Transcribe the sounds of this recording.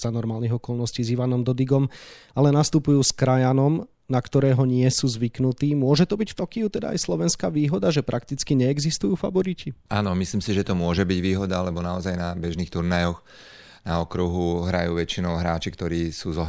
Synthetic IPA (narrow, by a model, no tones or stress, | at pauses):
z̥anɔɾmaːlniɣɔkɔlnɔsciːziʋanɔmd̪ɔd̪iɡɔmalɛnast̪upujuːskɾajanɔm | nakt̪ɔɾɛːɦɔɲɪɛsuːzʋiknut̪iːmʊɔʒɛt̪ɔbicft̪ɔkiut̪ɛd̪a̰a̰jslɔʋɛnskaːʋiːɦɔd̪aʒɛpɾʔakt̪it͡skiɲɛːɡzist̪ujuːfa̰ʋɔɾiciaːnɔmisliːmsiʒɛt̪ɔmʊɔʒɛbiɟʋiːɦɔd̪alɛbɔnaɔzajnabɛʒnixt̪uɾnajɔx | naɔkɾuɦuɦɾa̰juːʋɛt͡ʃinɔʊɦɾaːt͡ʃikt̪ɔɾiːsuːzɔ